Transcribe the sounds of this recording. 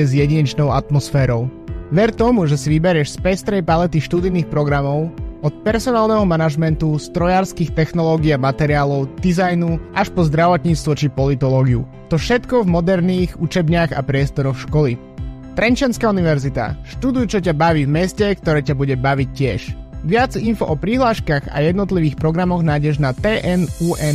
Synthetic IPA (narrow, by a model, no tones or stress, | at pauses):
ɛzjɛɟiɲɛt͡ʃnɔʊat̪mɔsfɛːɾɔʊ | ʋɛɾt̪ɔmuʒɛsiʋibɛɾɪɛʃspɛst̪ɾɛjpalɛt̪iʃt̪ud̪iniːxpɾɔɡɾamɔʊɔt̪̚pɛɾsɔnaːlˠnɛɦɔmanaʒmɛnt̪ust̪ɾɔjaːɾskiːxt̪ɛxnɔlɔːɡiamat̪ɛɾiaːlɔʊd̪̥izajnuʔaʃpɔzd̪ɾaʋɔt̪ɲiːt͡st̪ʋɔt͡ʃipɔlit̪ɔlɔːɡiṵ | t̪ɔfʃɛt̪kɔvmɔd̪ɛɾniːɣut͡ʃɛbɲaɣa̰pɾɪɛst̪ɔɾɔxʃkɔli | t̪ɾɛnt͡ʃanskauniʋɛɾzit̪a̰ʃt̪ud̪ujʊt͡ʃɔcabaʋiːvmɛscɛk̚t̪ɔɾɛːcabuɟɛbaʋic̚cːɪɛʃʋɪad͡zinfɔʔɔpɾiɦlaːʃkaɣa̰jɛd̪nɔt̪̬liʋiːxpɾɔɡɾamɔɣnaːjɟɛʒnat̪ɛːʔɛnuːʔɛn